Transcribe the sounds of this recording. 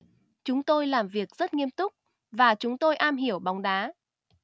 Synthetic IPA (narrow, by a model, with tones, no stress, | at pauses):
t͡ɕʊ˨˦ŋ͡mt̪o˧jlaː˨˩mvi˨˩ək̚zə˦˥t̚ŋi˧əmt̪ʊ˦˥k͡p̚ | vaː˨˩t͡ɕʊ˨˦ŋ͡mt̪o˧jʔaː˧mɦi˧˩əwɓɔ˨˦wŋ͡mɗaː˨˦